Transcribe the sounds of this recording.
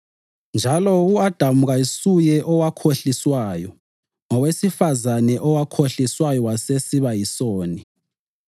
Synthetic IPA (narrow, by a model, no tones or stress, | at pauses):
nd͡ʒʱalɔuad̥ʱamuɣaisujɛʔɔwakʰoɬiswaːjɔ | ŋɔwesifazanɛʔɔwakʰoɬiswajɔwasesiβajisoːni